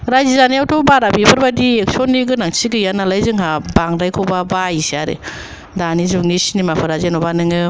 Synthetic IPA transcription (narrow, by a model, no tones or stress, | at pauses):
ɾajzizaniawtʰɔbaɾabipʰɯɾbadiek̚sonːiɡɯnaŋsʰiɡɯjanalajzɯŋɦabaŋdajkʰowbabaisiaɾɯ̰ | danizuŋnisinimapʰɯɾazenɔbanɯŋɯ